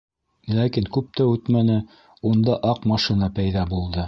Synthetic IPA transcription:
lækiŋkʉp̚t̪æʉt̪mænɘ | und̪ɑʔɑqmɑʃinɑpæjðɑbulˠd̪ɤ

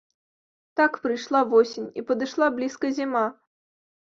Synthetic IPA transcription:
t̪akpɾɨjʂlˠavɔsʲɪnʲḭpɐd̪ɨʂlˠablʲiskɐzʲima

